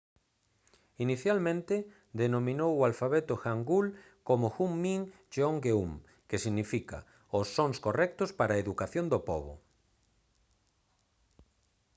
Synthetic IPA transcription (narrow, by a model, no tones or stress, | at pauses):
iniθjalmẽnt̪e | d̪enomĩnowualfaβet̪oxaŋɡul | komoxumːĩŋ | ʃoŋɡeum | kesiɣnifika̰ | osːoŋskorɛk̚t̪ospaɾaeðukaθjond̪opo̰βo̰